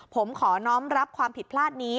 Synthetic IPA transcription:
pʰo˩˦mkʰɔː˩˦nɔː˦˥mɾa˦˥p̚kʰwaː˧mpʰi˨˩t̪̚pʰlaː˥˩t̪̚niː˦˥

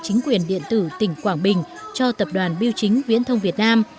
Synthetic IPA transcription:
t͡ɕï˨˦ŋ̟kwi˨˩ənɗḭ˧˨ənt̪ɨ˧˩t̪ï˧˩ŋ̟kwaː˧˩ŋɓï˨˩ŋ̟t͡ɕɔ˧t̪ə˨˩p̚ɗwaː˨˩nɓi˧əwt͡ɕï˨˦ŋ̟vḭ˧˥ənt̪ʰə˧wŋ͡mvi˨˩ət̚naː˧m

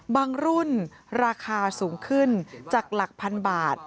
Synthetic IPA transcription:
baː˧ŋɾu˥˩n | ɾaː˧kʰaː˧suː˩˦ŋkʰɯ˥˩nt͡ɕaː˨˩k̚la˨˩k̚pʰa˧nbaː˨˩t̪̚

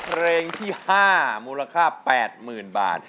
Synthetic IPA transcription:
pʰɾeː˧ŋt̪ʰiː˥˩haː˥˩muː˧la˧kʰaː˥˩pɛː˨˩t̪̚mɯː˨˩nba̰ː˨˩t̪̚

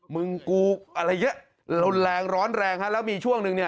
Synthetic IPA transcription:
mɯ˧ŋkuː˧k̚ʔa˧ɾa˧jŋɯ˦˥ə | lo˧nlɛː˧ŋɾɔː˦˥nɾɛː˧ŋha˦˥lɛː˦˥wmiː˧t͡ɕʰu˥˩əŋnɯ˧ŋni˥˩

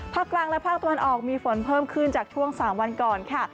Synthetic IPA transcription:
pʰaː˥˩kːlaː˧ŋlɛ˦˥pʰaː˥˩t̪a˧wa˧nʔɔː˨˩k̚miː˧fo˩˦npʰɤː˥˩mkʰɯ˥˩nt͡ɕaː˨˩k̚t͡ɕʰu˥˩əŋsaː˩˦mwa˧nkɔː˨˩nkʰa˥˩

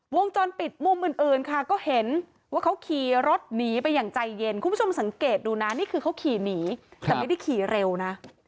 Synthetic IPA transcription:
wo˧ŋt͡ɕɔː˧npi˨˩t̪̚mu˧mʔɯ˧nʔɯː˧nkʰa˥˩kɔː˥˩he˨˩˦n | waː˥˩kʰa˦˥wkʰiː˨˧ɾo˦˥t̪̚niː˩˦pa˧jːaː˨˩ŋt͡ɕa˧jːe˧nkʰu˧mbʰt͡ɕʰo˧msa˩˦ŋkeː˨˩t̪̚duː˧na˦˥niː˥˩kʰɯː˧kʰa˦˥wkʰiː˨˩niː˩˦t̪ɛ˨˩ma˥˩da˥˩jkʰiː˨˩ɾe˧wna˦˥

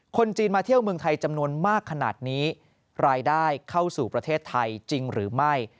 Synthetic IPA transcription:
kʰo˧nt͡ɕiː˧nmaː˧t̪ʰi˥˩əwmɯ˧əŋt̪ʰa˧jt͡ɕa˧mnu˧ənmaː˥˩kʰːa˧na̰ː˨˩t̪̚niː˦˥ | ɾaː˧jdaː˥˩jkʰa˥˩wsuː˨˩pɾa˧t̪ʰeː˥˩t̪ʰːa˧jt͡ɕi˧ŋɾɯː˩˦ma˥˩j

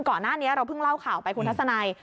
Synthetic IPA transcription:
nkɔː˨˩nːaː˥˩ni˦˥ɐɾa˧wpʰɯ˥˩ŋla˥˩wkʰaː˨˩wpa˧jkʰu˧nt̪̚ʰsa˧naː˧j

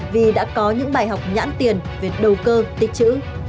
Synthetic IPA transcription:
vi˨˩ɗa̰ː˧˥kɔ˨˦ɲɨ̰˧˥ŋɓaː˧˩jɦa˨˩wk͡p̚ɲa̰ː˧˥nt̪i˨˩ənve˨˩ɗə˨˩wkəː˧t̪ï˨˩k̟̚t͡ɕɨ̰˧˥

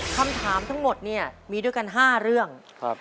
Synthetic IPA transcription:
kʰa˧mt̪ʰaː˩˦mt̪ʰa˦˥ŋmo˨˩t̪̚ni˥˩ɐmiː˧du˥˩jka˧nɦaː˥˩ɾɯ˥˩əŋ | k̚ʰ

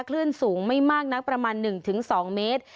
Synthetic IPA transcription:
kʰlɯ˥˩ənsuː˩˦ŋma˥˩jmaː˥˩k̚na˦˥pɾa˧maː˧nːɯ˨˩ŋt̪ʰɯ˩˦ŋsɔː˩˦ŋmeː˦˥t̪̚

